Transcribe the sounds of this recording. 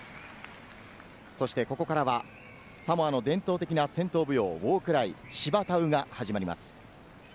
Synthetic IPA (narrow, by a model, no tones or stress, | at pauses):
so̞ɕi̥t̪e̞ko̞ko̞kaɾaβa | samoano̞d̪ẽ̞nt̪o̞ːt̪ekʲinasẽ̞nt̪o̞ːbɯ̟jo̞ːβoːkɯ̟ɾaiɕibat̪aɯ̟ɡahaʑimaɾʲima̰sɨ̥